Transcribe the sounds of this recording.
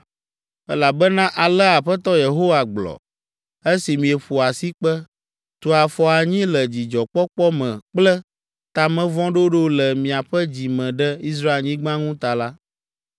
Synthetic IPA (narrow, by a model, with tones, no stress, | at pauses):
ɛ˦la˨bɛ˦nã˦ʔa˨lɛ˦a˨ɸɛ˦t̪ɔ˦je˨ɦo˦wa˨ɡ͡blɔ̰˨ | e˦si˨mĩ˨ɛ˨ɸu˨a˨si˦k͡pɛ˦ | t̪o˨a˨fɔ˦a˨ɲĩ˦lɛ˨d͡ʑi˨d͡ʒɔ˨k͡pɔ˦k͡pɔ˦mɛ̃˨k͡plɛ˦ | t̪a˨mɛ̃˦vɔ̃˦ɖo˦ɖo˦lɛ˨mĩ˨a˨ɸɛ˦d͡ʑi˨mɛ̃˨ɖɛ˦i˦s̬ɾa˦e˨lɲĩ˦ɡ͡bã˦ŋũ˦t̪a˨la˦